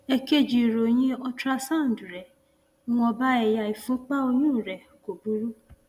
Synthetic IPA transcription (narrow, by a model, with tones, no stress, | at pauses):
ɛ˧ke˦˨d͡ʒi˨ɾo˨j̃ĩ˦ɔ˧tɾa˧sã˦˨n̩˨du˨ɾɛ˨˦ | w̃ɔ̃˧ba˦ɛ˧ja˨˧i˨fũ˦k͡pa˦o˧jũ˦˨ɾɛ˨ | ko˨bu˨˦ɾu˦